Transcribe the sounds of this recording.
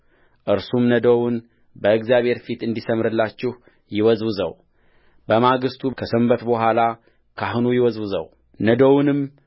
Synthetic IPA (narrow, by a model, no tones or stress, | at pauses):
ʔɨɾsumnəd̪owʊn | bəɨkzjaβhe̞ɾfit̪ɨnd̪isəmɾɨlːat͡ʃːɪh | jɪwɔzwɨzə̰w | bəmaɡɨst̪ʰukʰəsɨmbət̪bəɦʷala | kʰaɦnujɪwɔzwɨzə̰w | nəd̪ownɨm